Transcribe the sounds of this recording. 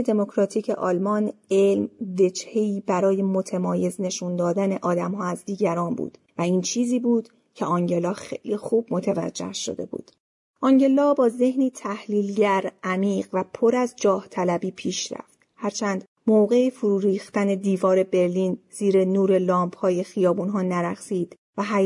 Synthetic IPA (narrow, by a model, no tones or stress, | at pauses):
ed̪e̞mo̞kʰɾɒːt̪ʰiːcʰḛʔɒːlmɒːnelmve̞d͡ʒhe̞iːbæɾɒːje̞mo̞t̪ʰemɒːje̞zne̞ʃund̪ɒːd̪æne̞ʔɒːd̪æmhɒːæzd̪iːɟæɾɒːnbṵːd̪̥ | væiːnt͡ʃʰiːziːbuːd̪̥ | cʰe̞ʔɒŋɟe̞lɒːxejlixuːb̥̚mo̞t̪ʰævæ̰d͡ʒːḛhʃo̞̰d̪e̞̰bṵːd̪̥ | ʔɒːŋɟe̞lɒːbɒːze̞hniːt̪ʰæhliːlɟæɾʔæmiːʁvæpʰo̞ɾæzd͡ʒɒːht̪ʰælæbiːpʰiːʃɾæ̰ft̪hæɾt͡ʃʰæːnd̪̥ | moɣe̞ifuɾuːɾiːxt̪æne̞d̪iːvɒːɾe̞be̞ɾliːnz̥iːɾe̞nuːɾe̞lɒːmphɒːje̞xijɒːbuːnɦɒːnæɾæxsiːd̪̥ | væɦæ